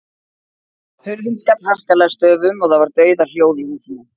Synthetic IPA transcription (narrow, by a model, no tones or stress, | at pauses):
hʏɾðinskat̪lhar̥kalɛːɣast̪œːvʏmɔɣθaðvaɾt̪œːɥðal̥joːwðiŋuθinʏ̥